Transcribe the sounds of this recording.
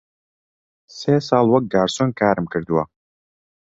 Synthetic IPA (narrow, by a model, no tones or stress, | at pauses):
seːsaːlˠwɐk̚ɡaːɾsɔnkʰaːɾɨmkʰɨɾd̪wa